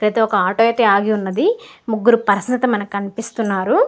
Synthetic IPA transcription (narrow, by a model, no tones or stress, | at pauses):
ɾeːt̪eɔkɐaːʈoet̪iaːɡiunːɐd̪imuɡːuɾupɐɾɐsnɐt̪ɐmɐnɐkiɐnipist̪unːaːɾu